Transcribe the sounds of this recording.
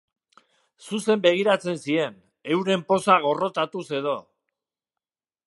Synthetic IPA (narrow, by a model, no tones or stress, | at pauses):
suse̞mbe̞ɣ̞iɾat͡se̞nsie̞n | e̞wɾe̞mpo̞saɣ̞o̞ro̞t̪at̪use̞ð̞o̞